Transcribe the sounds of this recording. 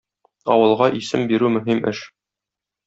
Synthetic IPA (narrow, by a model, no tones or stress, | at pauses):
ɒ̰wɤ̆lˠʁɑʔisɘmbiɾʉmɵ̆ɦimʔɘ̰ʃ